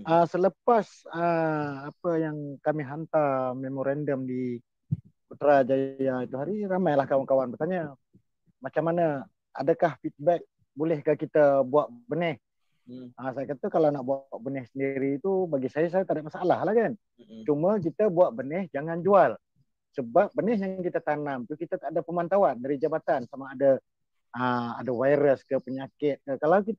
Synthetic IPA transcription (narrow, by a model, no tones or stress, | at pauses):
ʔəsələpas | əapəjaŋkamiɦant̪armemoɾandəmdi | kut̪ɾad͡ʒajait̪uɦaɾiɾamajlahkawankawanbərt̪aɲə | mat͡ʃamːanə | a̰dəkahfit̪̚bɛk̚ | bolɛhkakit̪əbuaʔ̪̚bənɛh | əsajakat̪əkalawnaʔbuaʔ̚bənɛhsəndiɾiːt̪ubaɡisajas̬ajat̪adaʔmasalahlahkan | t͡ʃumək̬it̪əbuaʔ̪̚bənɛhd͡ʒaŋand͡ʒual | səbap̚bənɛɦjaŋŋkit̪ət̪anamt̪ukit̪at̪adapəmant̪awandaɾid͡ʒabat̪ansamaːdə | əa̰dəvajɾəskəpəɲakɪt̪̚kəkalawkit̪